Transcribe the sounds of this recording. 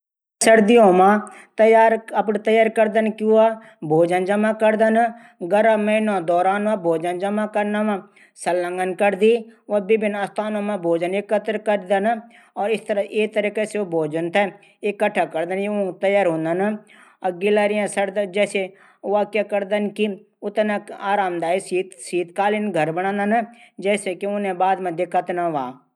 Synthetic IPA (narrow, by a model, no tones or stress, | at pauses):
səɾd̪iõːmãːt̪əjaːɾəp̬nt̪əjaːɾkəɾd̪ənkɪaː | bʱoːd͡ʒənd͡ʒəmaːkəɾd̪ən | ɡəɾaməɪnãːd̪ɔːɾaːnabʱoːd͡ʒənd͡ʒəmaːkəɾnaʋãː | səlːə̃ŋɡənkəɾd̪iːʋaːbɪbɪnəst̪ʰaːnõːmãːbʱoːd͡ʒənekːət̪ɾkəɾd̪ən | ɔːɾɪst̪əɾet̪ɐɾiːkeseobʱoːd͡ʒənt̪ʰɛ | ekːəʈʰːakəɾd̪ənĩt̪ɐjaːɾɦõːnd̪ən | ɐɡɪlaːɾɪjãsɐɾd̪d͡ʒɛːse | ʋaːkjakɐɾd̪ənki | ʊt̪naaːɾaːmd̪aːisiːt̪siːt̪kaːlinɡʱɐɾbəɽ̃ãːnd̪ənd͡ʒɛːsekiʊnẽbaːd̪mãd̪ɪkʰət̪naʋaː